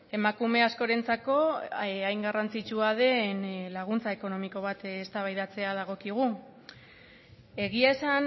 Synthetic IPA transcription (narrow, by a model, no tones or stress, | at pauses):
e̞makume̞asko̞ɾe̞nt͡sako̞ajŋɡarant͡sit͡ʃuað̞e̞nlaɣ̞unt͡sae̞ko̞no̞miko̞β̞at̪est̪aβajðat͡se̞að̞aɣ̞o̞kiɣ̞u | e̞ɣiae̞san